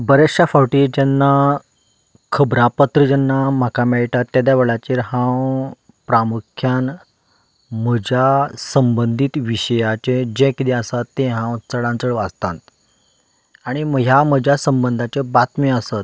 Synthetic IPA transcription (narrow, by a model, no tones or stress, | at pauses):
bəɾeafawʈiːɾd͡ʑɛnːa | kʰəbɾapət̪ɾəd͡ʑɛnːam̤akamɛɭʈat̪ːjad̪jaʋeɭat͡ɕiɾhãw | pɾamukʰjan | m̤əd͡ʑjasəmbənd̪ʱit̪ʋiɕəjat͡ɕẽd͡ʑẽkid̪iasat̪ːẽɦãwt͡səɽãnt͡səɭʋad͡zt̪ãt̪ | aɽ̃iməjam̤əd͡ʑʱasəmbənd̪ʱat͡ɕebat̪meəsat̪̚